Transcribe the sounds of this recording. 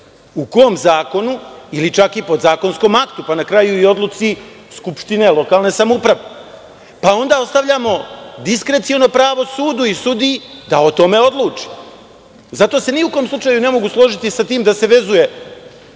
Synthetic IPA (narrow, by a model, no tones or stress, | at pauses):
ukoomzaːko̞nuilit͡ʃakipo̞d̪zaːko̞nsko̞ːmakt̪upanakɾajuio̞d̪lut̪si | skupʃt̪ine̞lˠo̞kaːlˠne̞samoupɾaʋe | pao̞nd̪ao̞st̪aʋʎamo̞d̪iskɾe̞t̪siono̞pɾaːʋo̞suːd̪uisud̪ijid̪aot̪o̞me̞o̞d̪lˠuːt͡ʂi̥ | zat̪o̞ːse̞niuko̞mslˠut͡ʃaːjune̞mo̞ɡuslˠo̞ʒit̪isat̪iːmd̪ase̞ʋe̞zuje̞